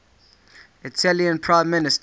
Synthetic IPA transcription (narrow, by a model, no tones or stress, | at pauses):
ɪtʰæliə̃npʰɹãɪ̃mːɪnɪst